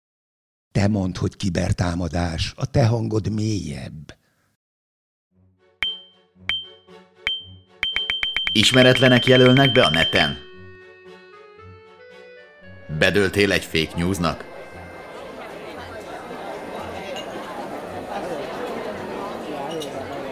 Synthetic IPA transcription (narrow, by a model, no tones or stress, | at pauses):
t̪ɛmo̞nt̪ho̞ckibɛ̰rt̪aːmɒd̪aːʃɒt̪ɛɦɒŋɡo̞d̪meːjɛ̰bː | iʃmɛɾɛt̪lɛnɛkjɛlølnɛɡ̚bɛɒnɛt̪ɛ̰n | bɛd̪ølt̪eːlɛɟfeːkɲuːznɒ̰k